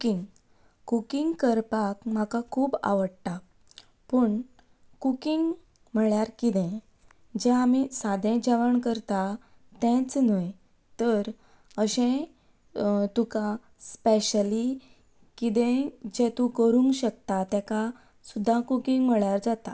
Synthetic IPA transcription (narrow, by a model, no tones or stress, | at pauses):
kiŋɡ | kukiŋɡkəɾpakm̤akakʰuːba̰ʋəɽta | pəɳ | kukiŋɡ | m̤əɭjaɾkid̪ɛ̃ | d͡ʑɛ̃amisad̪ʱɛ̃d͡ʑaʋəɳkəɾt̪a | t̪ɛ̃t͡snəj | t̪əɾ | əɕẽ | t̪uka | speɕəli | kid̪ɛ̃d͡ʑɛ̃t̪ũkəɾũŋɡɕək̚t̪at̪ɛka | sud̪ʱːakukiŋɡm̤əɭjaɾd͡zat̪a